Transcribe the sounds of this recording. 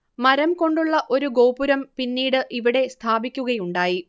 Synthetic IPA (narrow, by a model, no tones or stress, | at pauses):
mɐɾɐmko̞ɳɖuɭːɐʔo̞ɾuɡo̞ːpuɾɐmpinːiːɽɨʔiʋiɽe̞st̪ʰaːbikʲːuɣɐjuɳɖaːji